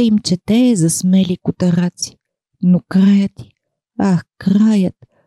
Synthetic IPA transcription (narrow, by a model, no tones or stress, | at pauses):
imt͡ʃɛt̪ɛːzɐsmɛlikʊt̪ɐɾat̪si̥ | nokɾajət̪i̥ | axkɾajət̪̚